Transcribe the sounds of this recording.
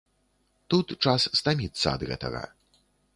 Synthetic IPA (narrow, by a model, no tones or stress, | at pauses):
t̪ut̪t͡ʂasːt̪amʲit̪sːɐɐd̪ɣɛ̰t̪ɐɣɐ̰